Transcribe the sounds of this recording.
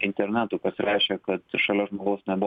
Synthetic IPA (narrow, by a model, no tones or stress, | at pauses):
ɪnʲt̪ʲɛɾʲnʲæːt̪ʊːpɐsʲɪɾʲæːʃʲɛkɐt̪ʃɐlʲɛʒmoːɡɐʊsnʲɛbʊ